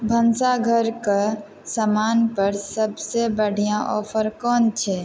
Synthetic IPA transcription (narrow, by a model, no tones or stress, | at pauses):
bʱənsaɡʱəɾka | səmaːnpəɾsəbsebəɽʱijãʔɔːpʰəɾkɔːnt͡ʃʰɛ